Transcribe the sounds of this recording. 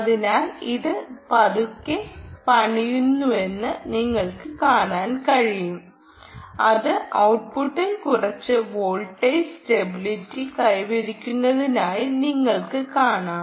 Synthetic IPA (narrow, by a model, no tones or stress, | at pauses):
ɐðinaːliðɨpɐðukːepɐɳijunːue̞nːɨniŋːɐɭkɨkaːɳaːnkɐɻijum | ɐðɨʔɐwʈ̚puʈːilkurɐt͡ɕːɨʋoːɭʈːɐjstebilitːikɐjʋɐɾikʲːunːɐðinaːjiniŋːɐɭkɨkaːɳaː